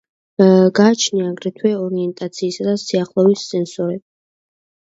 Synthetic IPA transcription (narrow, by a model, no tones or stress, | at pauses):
ɡaːt͡ʃʰniaɡɾɛt̪ʰwɛɔɾiɛnt̪ʼat̪sʰiːsad̪asiaχlˠɔvissɛnsɔɾɛb